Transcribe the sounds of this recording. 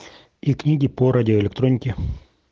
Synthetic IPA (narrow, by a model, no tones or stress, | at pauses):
iknʲiɡʲɪpoɾadʲɪoɪlʲɪk̚t̪ɾo̞nʲɪkʲɪ